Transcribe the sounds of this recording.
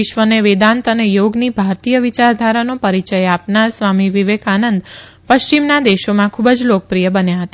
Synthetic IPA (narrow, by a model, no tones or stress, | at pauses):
ɪʃʋəneʋed̪ãnt̪ənejoɡnibʱaɾt̪ijəʋit͡ʃaɾd̪ʱaɾanopəɾit͡ʃəjapnaɾsʋamiʋiʋekʰanənd̪ | pəʃt͡ʃimnad̪eʃomãkʰubəd͡ʒlokəpɾijəbənjaɦət̪a